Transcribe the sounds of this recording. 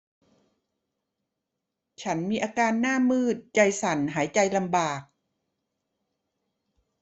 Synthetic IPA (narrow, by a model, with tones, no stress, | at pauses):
t͡ɕʰa˦˥nmiː˧ʔaː˧kaː˧nːaː˥˩mːɯː˥˩t̪̚t͡ɕa˧jsa˩˦nɦaː˩˦jt͡ɕa˧jla˧mbaː˨˩k̚